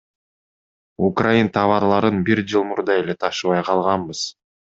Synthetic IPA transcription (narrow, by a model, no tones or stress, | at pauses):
ukrajint̪ʰɑβɑɾlˠɑɾɯnbiɾd͡ʒɯlˠmuɾd̪ɑe̞le̞t̪ʰɑʃɯβɑjqʰɑlˠʁɑmbɯz̥